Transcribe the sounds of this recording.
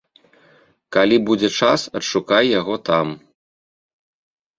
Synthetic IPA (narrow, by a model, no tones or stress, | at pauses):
kalʲibud͡zʲɛt͡ʂasɐtʂukajjaɣɔt̪am